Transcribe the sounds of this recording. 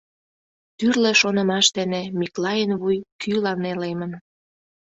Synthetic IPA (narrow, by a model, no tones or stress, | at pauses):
t̪yrlĕʃonə̆mɑʃt̪ə̆nemiklɑjənβujkʰylɑnelemən